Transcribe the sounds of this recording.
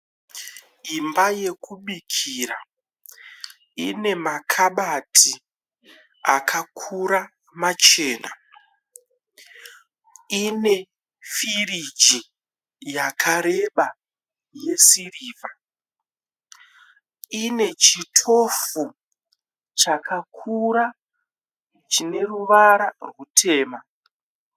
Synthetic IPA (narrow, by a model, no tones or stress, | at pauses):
imbaje̞kuɓikʰiɾa | ine̞makʰaɓatʰi | akʰakʰuɾa | mat͡ʃe̞ːna̰ | ine̞ | firid͡ʒi | jakʰaɾe̞ɓa | je̞siriːva | ine̞t͡ʃitʰo̞fu | t͡ʃakʰakʰuɾa | t͡ʃine̞ruʋaɾarwutʰe̞ːma